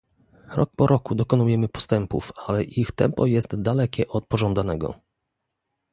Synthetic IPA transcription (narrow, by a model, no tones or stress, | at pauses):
ɾɔ̰k̚pɔɾʔɔkud̪ɔkɔnujɛmɘpɔ̥st̪ɛmpṵfalɛʔixt̪ɛmpɔjɛst̪d̪alɛkʲɛʔɔt̪̚pɔʐɔnd̪anɛɡɔ̰